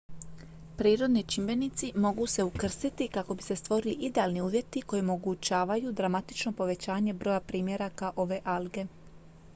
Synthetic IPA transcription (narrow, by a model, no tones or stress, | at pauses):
pɾiːɾo̞d̪nit͡ʃimbe̞nit̪simo̞ɡuse̞ukr̩st̪it̪ikako̞bise̞st̪ʋo̞ɾiliʔid̪e̞alniuːʋje̞t̪iko̞jeomo̞ɡut͡ɕaːʋajud̪ɾamat̪i̥t͡ʃno̞po̞ʋe̞t͡ɕaːɲe̞bɾo̞japɾiːmje̞ɾakaʔo̞ʋe̞ːʔalɡe̞